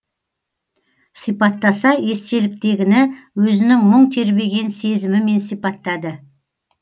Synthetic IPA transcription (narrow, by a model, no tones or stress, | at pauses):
sijpɑt̪ːɑsɑe̞st̪e̞lɪk̚t̪e̞ɡʲɪnɪwɵzɪnɪŋməɴt̪ʰe̞ɾbe̞ɡʲe̞nse̞zɪmɪme̞nsijpɑt̪ːɑd̪ə